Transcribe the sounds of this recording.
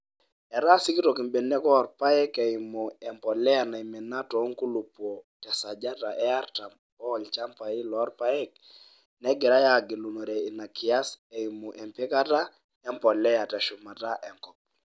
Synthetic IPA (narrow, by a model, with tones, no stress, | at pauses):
ɛ˨ɾa˦sɪ˦ki˦tɔ˨ki˨mbɛ˨nɛ˦kɔ˦˨ɾpa˦ɛ˦kɛ˨ɪmu˨ɛ˨mpɔ˨lɛ˦a˨na˨i˨mɛ˨na˦tɔ˨˦ŋku˦lu˨pwɔ˨tɛ˨sa˨d͡ʒa˦ta˨ʔɛ˦a˦ɾta˨m | pɔ˦lt͡ʃa˦mpa˨i˦lɔ˨˦rpa˦ɛ˦k̚ | nɛ˦ɡɛ˨ɾa˦ja˨ɡɪ˨lu˨nɔ˨ɾɛ˨i˨na˨kɪ˨a˦sɛ˨i˨mu˨ʔɛ˨mpɪ˦ka˦ta˦ | ɛ˦mpɔ˨lɛ˦ja˨tɛ˨ʃʊ˨ma˨ta˦ʔɛ˨ŋkɔ˨p̚